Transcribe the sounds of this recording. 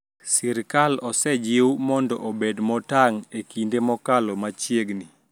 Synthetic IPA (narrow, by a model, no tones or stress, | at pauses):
siɾkalɔsɛd͡ʒɪwmɔndɔʔobedmɔtaŋekindemɔkalɔmat͡ʃjeɡni